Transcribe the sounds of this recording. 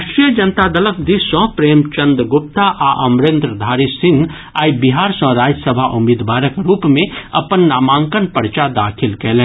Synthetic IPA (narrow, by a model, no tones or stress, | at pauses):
ʃʈɾijəd͡ʒənt̪ad̪ələkʰd̪isɔ̃ːpɾeːmt͡ʃə̃nd̪ɡʊp̚t̪aʔaʔɐmɾẽnd̪ɾəd̪ʱaːɾisɪ̃ŋɡ | aːibɪɦaːɾsɔ̃ɾaːd͡ʒəsəbʱaʔʊmiːd̪ʋaːɾəkɾuːpmẽɐpənːaːmãːŋkənpəɾt͡ʃad̪aːkʰɪlkɛːlẽː